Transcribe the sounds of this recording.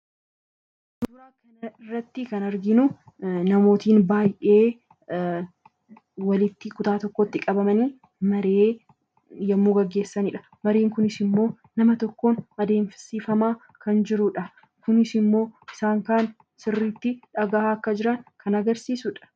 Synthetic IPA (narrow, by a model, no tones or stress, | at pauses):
d̪̥uːɾaːkɐnɐrːɐt̪ːɪkɐnɐɾɡɪnʊ | nɐmo̞ːt̪iːnbaːjʔe̞ː | wɐlɪt̪ːɪkʊt̪aːt̪ɔkːot̪ːɪkʼɐbɐmɐniː | mɐɾe̞ː | jɐmːuːɡɐɡːe̞ːsːɐnɪᶑɐ̥ | mɐɾeːŋkʊnɪsɪmːo̞ː | nɐmɐt̪ɔkːoːnɐd̪e̞ːmfsiːfɐmaː | kɐnd͡ʒɪɾʊᶑɐ | kʊnɪsɪmːo̞ːɪsaːŋkaːn | sɪrːiːt̪ːɪᶑɐɡaːaɐkːɐd͡ʒɪɾɐŋkʰɐnɐɡɐɾsiːsʊᶑɐ̥